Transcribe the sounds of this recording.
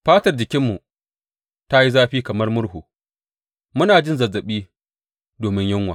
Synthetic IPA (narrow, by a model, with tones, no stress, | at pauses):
ɸaː˦tɐ˨rd͡ʒɪ˨kʲɪ˦mːu˨ | ta˦ji˦zaː˦ɸiː˦kɐ˨mɐ˦rmʊ˦ɽɦuː˨ | mʊ˦naː˨d͡ʒɪ˦nzɐ˨zɐ˨ɓiː˦ | doː˨mɪ˦ɲjʊ˦ŋwaː˨